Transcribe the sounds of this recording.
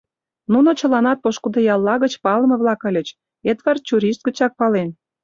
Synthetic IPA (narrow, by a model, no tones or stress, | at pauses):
nunot͡ɕə̆lɑnɑt̪̚poʃkud̪ɤ̆jɑlˠːɑɣə̆t͡ɕpɑləmɤ̆βlɑkə̆lʲə̆t͡ɕ | et̪βɑrt͡ɕʲuɾʲiʃt̪̚ɡə̆t͡ɕɑk̚pɑlen